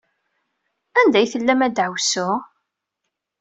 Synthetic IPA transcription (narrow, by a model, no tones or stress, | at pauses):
ænd̪æjθəlːæmæd̪ʕəwsʊ